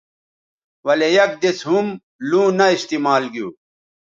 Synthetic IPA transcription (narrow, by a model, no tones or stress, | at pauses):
wɐlejɐk̚d̪esɦum | lũːnɐist̪imaːlɡijuː